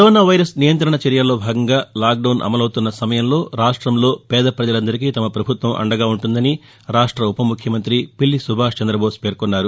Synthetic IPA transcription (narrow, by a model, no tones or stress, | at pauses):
kɐɾoːnaːʋɐjɾɐsnijɐnt̪ɾɐɳɐt͡ʃɛɾjalːo̞ːbʱaːɡɐŋɡaːlaːk̚ɖɐwnʔɐ̰mɐlɐwt̪unːɐsɐmɐjɐmlo̞ːɾaːʂʈɾɐmlo̞ːpɛːd̪ɐpɾɐd͡ʒɐlɐnd̪ɐɾikit̪ɐmɐpɾɐbʱut̪ʋɐmʔɐ̰ɳɖɐɡaːuɳʈund̪ɐni | ɾaːʂʈɾɐupɐmukʰjɐmɐnt̪ɾipilːisubʱaːʂt͡ʃɐnd̪ɾɐboːspe̞ːɾkonːaːɾu